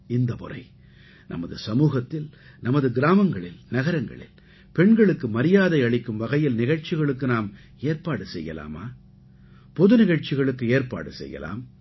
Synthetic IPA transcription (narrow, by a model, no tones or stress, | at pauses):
ɪnd̪ɐpʊ̰rɐ̰ɪ | nɐ̰mɐðɯ̰sɐmuːɣɐt̪ːɪl | nɐmɐðɯɡɪɾaːmɐŋɡɐɭɪlnɐɣɐɾɐŋɡɐ̰ɭɪ̰l | pɛɳɡɐɭɯkːɯmɐɾɪjaːðɐɪɐɭɪkːɯmʋɐɣɐjɪlnɪɣɐɻt͡ʃɪɣɐɭɯk̬ːɯnaːm | eːɾpaːɽɯsɛjːɐ̰la̰ːma̰ː | pɔðɯnɪɣɐɻt͡ʃɪɣɐɭɯkːɯeːɾpa̰ːɽɯsɛ̰jːɐ̰la̰ːm